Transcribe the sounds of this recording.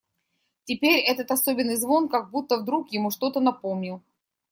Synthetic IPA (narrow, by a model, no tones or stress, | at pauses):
tʲɪpʲeɾʲɛt̪ət̪ɐsobʲɪnːɨjzvo̞nkaɡ̚but̪ːəvd̪ɾukjɪmuʂt̪o̞t̪ənɐpo̞mnʲɪlˠ